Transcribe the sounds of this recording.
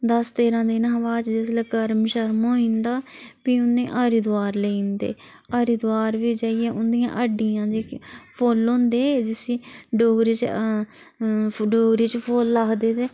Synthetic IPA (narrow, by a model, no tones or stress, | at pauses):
d̪əst̪eːɾãːd̪ɪnɦəʋaːt͡ʃd͡ʒesləkəɾmʃəɾmɦoːĩːnd̪aːpiːʊnːẽːʔaːɾid̪aːɾleĩːnd̪ḛː | aːɾiːd̪ʊaːɾʋiːd͡ʒaːiɛːʔʊnd̪ijã̰ːʔəɖijãːd͡ʒeːkpʰoːlːõːnd̪eːd͡ʒɪsiːɖoːɡɾiːt͡ʃ | ɖoːɡɾiːt͡ʃpʰoːlːaːkʰd̪eːd̪eː